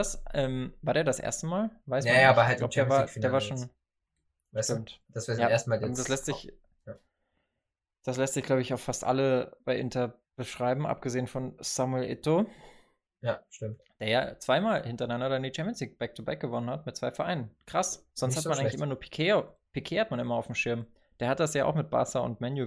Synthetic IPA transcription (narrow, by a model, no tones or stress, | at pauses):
d̥asʔɛːmvaːɐdeːɐdasʔḛːɐstəmaːlvaɪsajːçɐaɡla̰ʊədeːɐvaːɐdeːɐvaːɐʃoːn | ʃtɪmtd̥asv̥ejaeɐstəmaːdaslɛstz̥ɪç | ja | d̥aslɛstz̥ɪçɡ̥laʊbəɪçaʊxfastʔa̰ləb̥aɪʔɪntɐ | b̥əʃʁ̥aɪbm̩ʔa̰p̚ɡ̥əzeːənfɔnsamuɛlʔɪ̰to | jaʃtɪmt | d̥eːɐja̰ːt͡sv̥aɪmaːlhɪntɐnandɐɪndiːt͡ʃʰɛmpjənsliːk̚b̥ɛk̚tʰubaɪk̚ɡ̥əvɔnənhatmɪt̚t͡svaɪfɛɐʔaɪnənkʁ̥asz̥ɔnsthamnʔaɪɡɪçʔɪ̰mɐnuːɐpʰi̥kʰeːopʰikʰeːhat̚manɪmɐaʊfm̩ʃɪɐm | d̥eːɐhat̚d̥asjaːʔa̰xmɪt̚b̥a̰ːsaʊ̰ntmɛnju